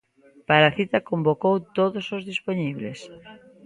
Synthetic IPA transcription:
paɾaθit̪akombokowt̪oðosozðispoɲiβ̞les

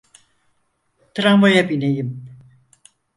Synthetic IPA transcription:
t̪ʰɨɾamvojabinejim

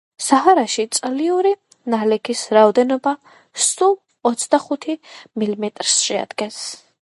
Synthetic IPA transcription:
saɦaɾaʃit̪sʼliuɾi | nalɛkʰisɾaɔd̪ɛnɔba | sul | ɔt̪sʰd̪aχut̪ʰimilimɛt̪ʼɾsʃɛa̰d̪̥ɡɛns

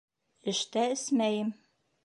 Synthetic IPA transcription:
ɘ̆ʃt̪æɘsmæjɘm

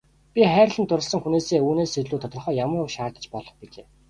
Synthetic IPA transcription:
pʲiχæːɾ̆ʲɮə̆nt̪ʊɾə̆ɮsə̆ŋxuneːseːuːneːsːeɮuːt̪ʰɔt̪rɞ̆χœːjamə̆rʊkʃaːrt̪ə̥̆t͡ɕpɔɮɞ̆χpiɮḛː

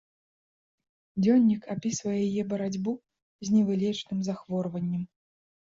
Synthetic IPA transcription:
d͡zʲɔnʲːikapʲisvɐjɛjajɛbɐɾad͡zʲbu | zʲnʲɛvɨlʲɛt͡ʂnɨmzaxvɔrvɐnʲːɐm

